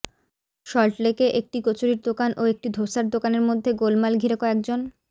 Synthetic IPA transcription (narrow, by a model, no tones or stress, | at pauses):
ʃɔlʈlekeʔek̚ʈiɡot͡ɕoɾiɾd̪okanʔoek̚ʈid̪ʱoʃaɾd̪okaneɾmod̪ʱːeɡolmalɡʱiɾekɔɛk̚d͡ʑon